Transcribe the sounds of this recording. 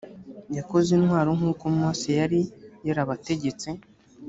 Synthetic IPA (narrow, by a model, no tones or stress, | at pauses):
jako̞zinhwaːɾoŋuːkomoːsejaɾijaɾaβate̞ɟe̞t͡se̞